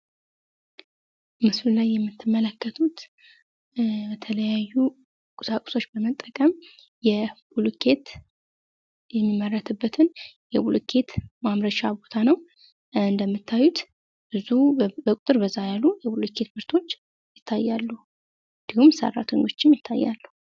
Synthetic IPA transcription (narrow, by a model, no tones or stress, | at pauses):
mɨslulajːɛmːɨt̪ʰːɨmːələkːət̪ʰut̪ | bət̪ʰələjajːu | kʼʊsakʼʊ̥so̞t͡ʃːbəmət̪ʼːəkʼəm | jɛbulukʰe̞t̪ | jɛmːimːərːət̪ʰɨbːət̪ʰɨnjɛbulkʰe̞t̪mamɾəʃabo̞t̪ʰanəw | ɨnd̪əmːɨt̪ʰːajut̪ | bɨzubəkʼʊt̪ʼɨɾbəzːajalːujɛbulukʰe̞t̪bɨɾt̪ʰo̞t͡ʃː | jɪt̪ʰːajːalːu | d̪̥ɨɡumsə̰rːa̰t̪ʰeɲo̞t͡ʃːɪmjɪt̪ʰːa̰jːa̰lːuh